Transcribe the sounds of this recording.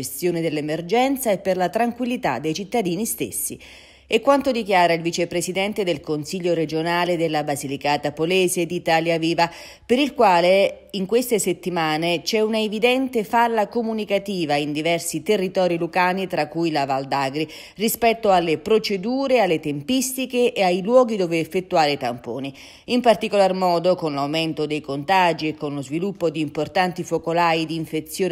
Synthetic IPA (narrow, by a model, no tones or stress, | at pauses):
est̪joːned̪elːemerd͡ʒɛnt̪saepːerlat̪ɾaŋkwilːit̪a̰d̪ːejt͡ʃit̪ːad̪iːnist̪ḛsːḭ | ɛkːwant̪od̪ikjaːɾailvit͡ʃepɾesid̪ɛnt̪ed̪elkonsiʎːoɾed͡ʒonaːled̪elːabazilikaːt̪apoleːzed̪it̪aːljaviːva | peɾilkwaːle | iŋkwest̪eset̪ːimaːnet͡ʃɛunaevid̪ɛnt̪efalːakomunikat̪iːvaind̪ivɛrsit̪erːit̪ɔːɾilukaːnit̪ɾakːujlavald̪aːɡɾi | rispɛt̪ːoalːepɾot͡ʃed̪uːɾealːet̪empist̪ikeʔːajlwɔːɡid̪oːveːfːet̪ːuaːɾet̪ampo̰ːni | impart̪ikolarmɔːd̪okonlawmɪnt̪od̪ejkont̪ad͡ʒiekːonlozvilupːod̪iːmport̪ant̪ifokolaːid̪iːɱfet̪sːjoː